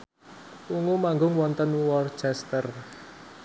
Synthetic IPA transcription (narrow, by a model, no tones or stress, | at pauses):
uŋomaŋɡʊŋwɔnt̪ənwɔrt͡ʃɛst̪ər